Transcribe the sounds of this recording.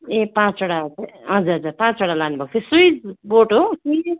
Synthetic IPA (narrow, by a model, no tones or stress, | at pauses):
ẽpãt͡soɽateɦʌd͡zuɾɦʌd͡zuɾpãt͡soɽalanubʱʌk̚t͡sʰesujd͡zboʈoki